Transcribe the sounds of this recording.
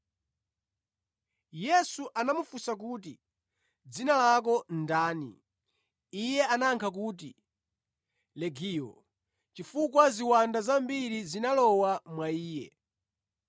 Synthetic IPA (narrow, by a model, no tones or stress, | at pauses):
jɛsuʔanamufusak̬uːt̬ḭ | d͡zinalak̬ɔndaːnḭ | ijɛanaŋkʰak̬uːt̬ḭ | lɛɡiːjɔ̰ | t͡ʃifukwaziwandazambiɾizinalɔwamwaiːjɛ